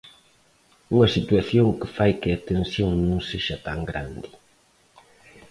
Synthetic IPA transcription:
uŋɐsit̪uaθjõŋkɪfajkɪat̪ẽnsjõŋnõŋseʃɐt̪aŋɡɾa̰nd̪ɪ

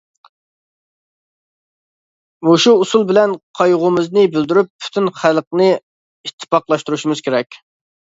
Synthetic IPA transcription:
moʃuːsulˠbɪlɛnqʰɑjʁʊmɪznɨbyld̪yɾypːʰy̥t̪ʰynχælˠqnɨ | it̪ʰːɪ̥pɑqlˠɑʃt̪uɾuʃumɪz̥kʲʰeɾɛkʲ

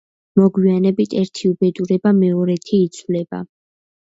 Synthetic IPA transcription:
mɔɡwianɛbit̪ʼʰɛɾt̪ʰiubɛd̪uɾɛbamɛɔɾɛt̪ʰiːt̪sʰvlɛba̰

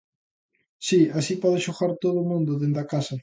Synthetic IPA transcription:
siasipɔðɪʃoɣaɾt̪oðʊːmũnd̪ʊðend̪ɐkasɐ

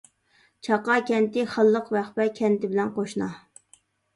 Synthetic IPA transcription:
t͡ʃʰɑqɑkʲʰɛnt̪ɪχəlˠːəqvæχpɛkʲʰɛnt̪ɪbɪlɛnqʰoʃnɑ

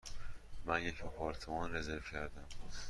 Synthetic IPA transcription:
mænjecepʰɒːɾt̪ʰomɒnrezeɾfcʰæɾd̪æm

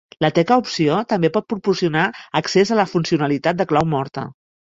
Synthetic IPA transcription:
lət̪ɛkəupsiot̪əmbepɔt̪̚pɾupuɾsiunaəksezələfunsiunəlit̪at̪̚d̪əklawmɔɾt̪ə̰

